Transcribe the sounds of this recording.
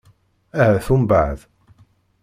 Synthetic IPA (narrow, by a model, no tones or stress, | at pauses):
æhæθumbaʕð